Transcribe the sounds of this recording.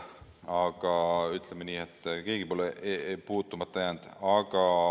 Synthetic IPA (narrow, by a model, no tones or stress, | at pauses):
ɑɡ̥ɑyt̪ˑlemeniːet̪ːˑke̞ːɡ̥ipo̞leʔpuːt̪ːˑumɑt̪ːˑɑjænd̪̥ɑɡ̥ɑ